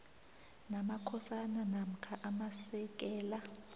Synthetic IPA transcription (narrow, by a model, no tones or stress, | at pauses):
namakʰɔsananam̩kʰaʔamasɛk̬ʼɛːla